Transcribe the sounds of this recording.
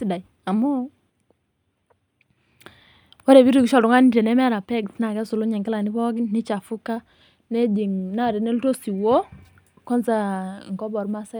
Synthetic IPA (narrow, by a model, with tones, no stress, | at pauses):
i˦da˨i | a˨mɔ˦ | wa˦ɾɛ˨bi˦ɾi˨ɡi˦ʃɔ˦˨dʊ˦ŋa˦ni˦ɾɛ˨nɛ˦mɛ˦ɾa˨pɛ˦ktna˨kɛ˦su˨lu˦ɲɛ˨ŋɡɪ˦la˨ni˦bɔ˦ɡi˦nni˦t͡ʃa˨fu˦ka˦ | nɛ˦di˨ŋna˦˨ɾɛ˨nɛ˦lto˦si˨wo˦ | kɔ˦nza˦ŋkɔ˦bɔ˨ɾma˦sa˦